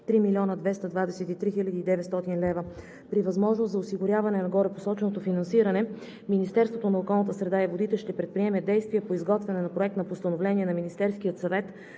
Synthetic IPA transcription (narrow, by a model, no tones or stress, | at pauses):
t̪ɾimilʲiɔnəd̪vɛst̪əd̪vad̪ɛsɛt̪it̪ɾixilʲəd̪iːd̪ɛvɛt̪st̪ɔt̪inlɛvə | pɾivɐzmɔʒnost̪zɐosiɡʊɾʲjavɐnɛnɐɡɔɾɛposɔt͡ʃɛnot̪ofinɐnsiɾɐnɛ | minist̪ɛɾst̪vot̪onɐokɔlˠnət̪əsɾɛd̪aivod̪it̪ɛʃt̪ɛpɾɛt̪̚pɾiɛmɛd̪ɛjst̪viɛpoizɡɔt̪vɛnɛnɐpɾoɛk̚t̪nɐpost̪ɐnovlɛniɛnɐminist̪ɛɾskijət̪sɐvɛt̪